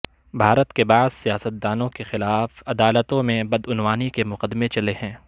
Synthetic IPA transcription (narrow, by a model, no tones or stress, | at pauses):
bʱaːɾət̪kebaːzsijaːsət̪̚d̪aːnõkexɪlaːfɐd̪aːlət̪õmẽbɐd̪ʊnwaːnikemʊqəd̪ːmẽt͡ʃɐlehɛ̃ː